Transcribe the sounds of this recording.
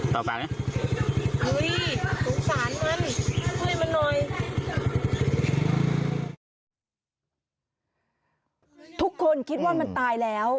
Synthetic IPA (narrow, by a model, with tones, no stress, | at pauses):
t̪ɔː˨˩faː˨˩k̚na˧˥˩ | ʔɯ˦˥jsʰuː˩˦ŋsaː˩˦nma˧˥˨nkɯː˥˧˩jma˧nːɔ˧j | t̪ʰu˦˥kʰːo˧nkʰi˦˥t̪̚waː˥˩ma˧nt̪aː˧jlɛː˦˥w